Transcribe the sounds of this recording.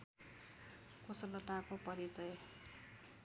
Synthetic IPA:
koslʌʈakopʌɾit͡sʌj

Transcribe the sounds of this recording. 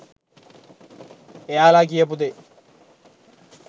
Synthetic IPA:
ejaːlaːk̬ijɐp̬ud̪e

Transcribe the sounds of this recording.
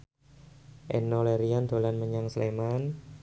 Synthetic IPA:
ʔɛ̰noleɾiand̪o̤lanməɲaŋsleman

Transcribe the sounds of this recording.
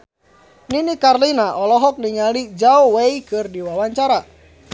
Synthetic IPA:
ninikarlinaʔɔlɔɦɔk̚niŋalid͡ʒaɔweikɨrdiwawaɲt͡ʃaɾa

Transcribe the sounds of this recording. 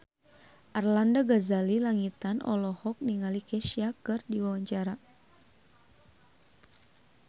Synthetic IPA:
ʔarlandaɡazalilaŋit̪anʔɔ̰lɔhɔk̚niŋalikɛʃiakɨrdiwawaɲt͡ʃaɾa

